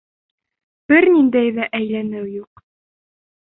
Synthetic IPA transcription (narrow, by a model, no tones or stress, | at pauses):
b̥ɘɾnind̪æjðæʔæjlænɘwjuq